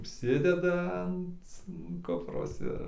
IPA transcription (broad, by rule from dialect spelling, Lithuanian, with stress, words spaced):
ʊʃʲˈsʲɪdʲɛdɐ ɐnt ˈkʊproːs ˈɪr